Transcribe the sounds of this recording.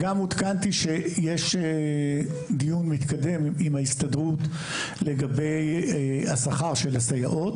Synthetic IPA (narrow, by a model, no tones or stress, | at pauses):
ɡamut̪kant̪iʃejeʃ | d̪ijunmit̪kad̪e̞mimaist̪ad̪ʁut̪ | le̞ɡabejasaχaʁʃelasaja̰ʔo̞t̪